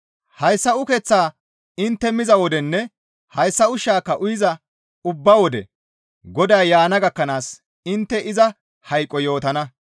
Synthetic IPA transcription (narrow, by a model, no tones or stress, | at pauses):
hɐjsːɐʊkɛt͡sːaː | ɪnt̪ːɛmɪzɐwɔd̪ɛnːɛ | hɐjsːɐʊʃaːkːɐʔʊjɪzɐ | ʊbːɐwɔd̪ɛ̰ | ɡɔd̪ɐjjaːnɐɡɐkːɐnaːs | ɪnt̪ːɛʔɪzɐ | hɐjkʼːɔjo̞ːt̪ɐnɐ